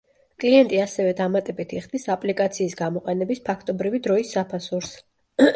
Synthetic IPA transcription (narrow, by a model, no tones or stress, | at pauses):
kʼliɛnt̪ʼiasɛvɛd̪amat̪ʼɛbit̪ʰiχd̪isapʼlikʼat̪sʰiːsɡamɔqʼɛnɛbispʰakʰt̪ʼɔbɾivid̪ɾɔisːapʰasuɾs